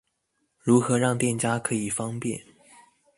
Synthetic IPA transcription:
ɻu˧˥xɤ˧˥ɻɑ˥˧ŋt̪jɛ˥˩nt͡ɕja˥kʰɤ˧˥i˨˩fɑ˥ŋpjɛ̰˥˩n

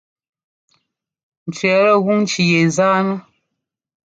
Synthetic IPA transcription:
n̩˨t͡ʃɥɛ˨˦ɾə˦˨ɣu˦ŋ̩˦t͡ʃi˨je˨zaː˦nə˦

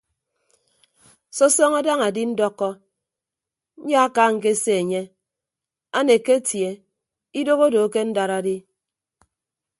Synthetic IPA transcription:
so˦sɔ˦ŋa˦da˦ŋa˨di˦n̩˦dɔ˦kːɔ˦ | n̩˦ɲa˦a˦ka˦ŋ̩˨k̬e˦se˦e˨ɲe˦ | a˦ne˨ke˦tje˨ | i˦do˦ɣo˦do˨˦ke˦n̩˦da˨ɾa˦˨di˦

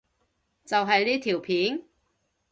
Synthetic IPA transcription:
t͡sɐ˨wɦɐ˨jliː˥t̪ʰiː˨˩wpʰiː˨˥n

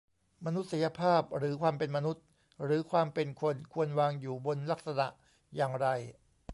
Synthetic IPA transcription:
ma˧nu˦˥t̪̚sa˨˦ja˧pʰaː˥˩p̚ɾɯː˩˦kʰwaː˧mpe˧nma˧nu˦˥t̪̚ | ɾɯː˩˦kʰwaː˧mpe˧nkʰo˧nkʰu˧ənwaː˧ŋjuː˨˩bo˧nla˦˥k̚sa˧na̰˨˩ʔ | jaː˨˩ŋɾa˧j

